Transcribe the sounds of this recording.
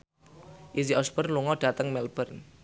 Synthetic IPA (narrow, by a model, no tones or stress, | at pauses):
ʔis̬iɔsbərluŋɔɖ̥ä̤t̪əŋmɛlb̥ərn